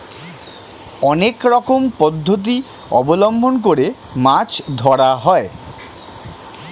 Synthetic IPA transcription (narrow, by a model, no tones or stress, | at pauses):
ɔnekɾɔkompɔd̪ʱːot̪̬i | ɔbolombʱonk̬oɾe | mat͡ɕd̪ʱɔɽaɦɔe